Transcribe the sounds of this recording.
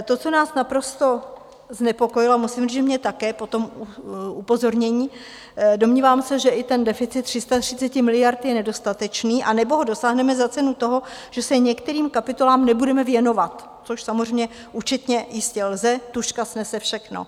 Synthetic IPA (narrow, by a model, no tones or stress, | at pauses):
t̪o̞t͡so̞naːsnapɾo̞st̪o̞ | znɛpo̞ko̞jɪlomusɪmriʒɛmɲɛt̪akɛːpo̞t̪o̞mʔupo̞zo̞ɾɲɛɲiː | do̞mɲiːvaːmsɛʒɛʔɪt̪ɛndɛfɪt͡sɪt̪ːr̥ɪst̪at̪r̝̥ɪt͡sɛcɪmɪlɪjaɾt̪jɛnɛdo̞st̪at̪ɛt͡ʃniːʔanɛboɦo̞do̞saːɦnɛmɛzat͡sɛnut̪o̞ɦo̞ʒ̥ɛsɛɲɛkt̪ɛɾiːmkapɪt̪o̞laːmnɛbudɛmɛvjɛno̞vat̪ː | t͡soʃsamozr̝ɛjmɲɛ | ʔut͡ʃɪt̪ɲɛjɪscɛlzɛt̪uʃkasnɛsɛfʃɛxno̰